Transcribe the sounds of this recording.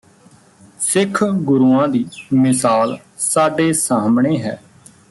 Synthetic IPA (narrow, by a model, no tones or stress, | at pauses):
sɪkʰɡʊɾuːãːd̪iːmɪsaːl | saːɖeːsaːmɳeːɦɛː